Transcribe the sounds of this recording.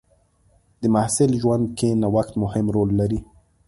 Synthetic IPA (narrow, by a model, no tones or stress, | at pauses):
d̪əmahsɪlʒwand̪̚kenawaxt̪mʊhɪmɾolːaɾi